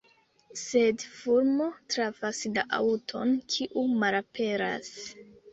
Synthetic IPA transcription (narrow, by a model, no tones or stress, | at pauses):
se̞dfuɾmo̞tɾavaslaʔa̰wtʰo̞̰nkʰiʔumalape̞ɾa̰s